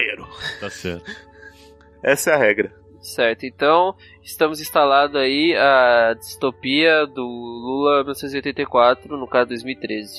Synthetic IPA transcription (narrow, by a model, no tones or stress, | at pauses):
eɾʊt̪asɛ̰ɾt̪ | ɛsɐɛɐɦɛɡɾɐ | sɛɾt̪ʊẽnt̪ɐ̃w̃ | ɪst̪ɐ̃mʊzĩst̪alãd̪ʊaiad͡ʒist̪opiɐd̪ʊlulɐminɔsẽt̪ziojt̪ẽt̪ejkwat̪ɾʊnʊkazʊd̪ojzmiwit̪ɾezɪ